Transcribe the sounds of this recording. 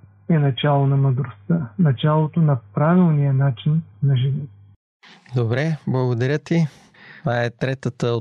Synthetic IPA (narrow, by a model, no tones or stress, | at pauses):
ɛnɐt͡ʃalˠonɐməd̪ɾost̪ənɐt͡ʃalˠot̪onɐpɾavilˠnijənat͡ʃinːɐʒɛnit̪ | d̪obɾɛblˠɐɡod̪ɐɾʲjət̪i | t̪ovaɛt̪ɾɛt̪ət̪əo